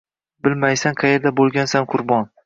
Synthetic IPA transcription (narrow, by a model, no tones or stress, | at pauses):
bɪlmajsanqʰɑjeɾd̪abolˠɡʲansanqʰʊɾbɒn